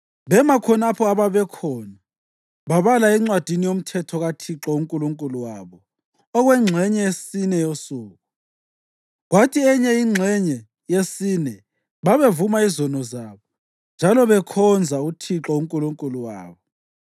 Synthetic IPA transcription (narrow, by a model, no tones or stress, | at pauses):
βɛmakʰɔnapʰɔaβaβɛkʰɔna | βaβalaɛŋ͡ǀwad̥ʱinijom̩tʰɛtʰɔɣatʰiǁɔuŋkʼuluŋkʼuluwaβɔ | ɔɣwɛŋ͡ǁʱɛɲɛjesinɛjosuːɣu | ɣwatʰiɛɲɛiŋ͡ǁʱɛɲɛ | jesinɛ | βaβevumaizɔnɔzaːβɔ | nd͡ʒʱalɔβɛkʰɔnd͡zʱautʰiǁɔuŋkʼuluŋkʼuluwa̰ːβɔ